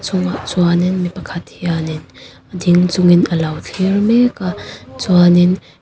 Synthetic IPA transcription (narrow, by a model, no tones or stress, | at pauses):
t͡sʰʊŋaʔt͡swanɪnmipɐkʰɐt̪hianɪnʔədiŋt͡sʊŋɪnəlɐwt͡ɬʰirmɛkat͡swanɪn